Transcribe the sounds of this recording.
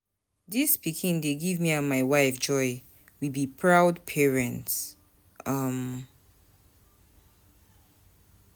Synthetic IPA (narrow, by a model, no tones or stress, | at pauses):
dispikʰĩŋdeɡivmiãnmaɪwaɪfd͡ʒɔɪ | wibipʰɹaʊdpʰɛɹɛ̃nts | ʔʌm